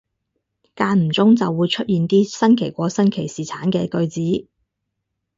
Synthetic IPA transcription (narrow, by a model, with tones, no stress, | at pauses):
kaː˧nm̩˨˩t͡sʊ˥ŋt͡sɐ˨wːuː˨˧jt͡ʃʰɵ˥t̚jiː˨˩nt̪iː˥sɐ˥nkʰe˨˩jkʷɔː˨˧˥sɐ˥nkʰe˨˩jsiː˨˩t͡sʰaː˨˥nkɛː˧kɵ˧ɥt͡siː˨˥